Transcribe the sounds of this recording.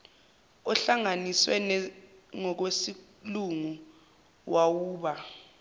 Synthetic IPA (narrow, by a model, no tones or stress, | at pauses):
ɔɬaŋaniswɛ̰nŋɔk̬wesi | luŋu | wawuːɓa